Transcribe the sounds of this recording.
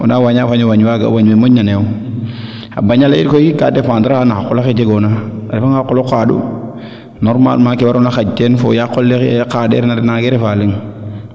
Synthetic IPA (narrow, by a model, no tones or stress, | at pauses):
onawaɲafaɲowaɲwaɡa̰waɲwemoɲːanew | a̰baɲalajiɾkojiika̰defaːndɾaanaakːulaxed͡ʒeɡonaaɾifaŋaqːolokadṵ | nɔɾma̰lmakiwaɾunaxat͡ʃenfo̰jakːolːekadḛɾnaɾnaɡeɾefaliŋ